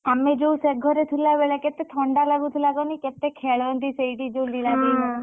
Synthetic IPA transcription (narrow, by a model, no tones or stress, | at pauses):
amed͡ʒouseɡʱɔɾet̪ʰulaʋeɭeket̪et̪ʰɔɳɖalaɡut̪ʰulaɡoniket̪ekʰeɭɔnd̪iseiɖid͡ʒowlilad̪iɦũ